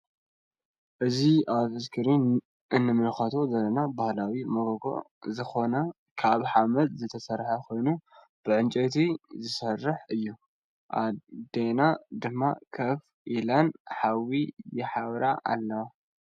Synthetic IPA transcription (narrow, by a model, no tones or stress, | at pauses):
ʔɨziaβɨskʰɨɾi | ʔɨnːɨmɨlxɐt̪ʰo̞zɐlːɐnabahlawimɐɡoɡo̰ | zɨxo̞nɐ | kʰaβħamɐlzɨt̪ʰɐsɐɾħɐkʰo̞jnu | b̥ɨʕɨnt͡ʃʼet̪ʰizɨsɐrːɨħɨjːu | ʔa̰d̪enad̪ɨmːakʰɐf | ʔilanħawijɛħaβɾaʔa̰lːɐwa